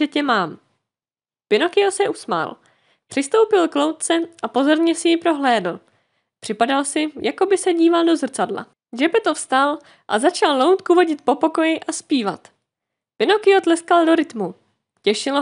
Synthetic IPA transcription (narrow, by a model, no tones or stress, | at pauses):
ɛcɛmaːm | pɪno̞kɪo̞sɛʔusma̰ːl | pr̥ɪst̪o̞wpɪlklo̞wt̪̚t͡sɛʔapo̞zo̞ɾɲɛsɪjɪpɾo̞ɦlɛːdl̩ | pr̥ɪpadalsɪjʔako̞bɪsɛɟiːvaldo̞zr̩t͡sadla̰ | d͡ʒɛpɛt̪ofst̪al | ʔa̰zat͡ʃallowt̪kuvoɟɪt̪̚po̞po̞ko̞jɪʔaspiːva̰t̪ | pɪno̞kɪo̞t̪lɛskaldo̞ɾɪt̪mu | cɛʃɪlo